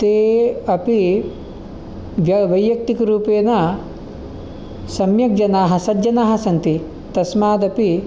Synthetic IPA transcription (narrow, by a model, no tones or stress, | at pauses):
t̪eːɐpi | ʋjɐʋɐjjɐk̚t̪ikɐɾuːpeːnɐ | sɐmjɐk̚d͡ʒɐnaːɦɐ̆sɐdd͡ʒɐnaːɦɐ̆sɐnt̪i | t̪ɐsmaːd̪ɐpi